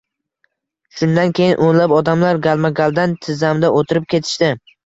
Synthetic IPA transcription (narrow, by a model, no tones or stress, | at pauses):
ʃʊnd̪ankʲʰe̞jɪnʔonlapɒd̪amlaɾɡalˠmaɡʲalˠd̪ant̪ʰɪzamd̪aʔot̪ʰɪɾɪp̚kʲʰe̞t̪ʰɪ̥ʃt̪ɪ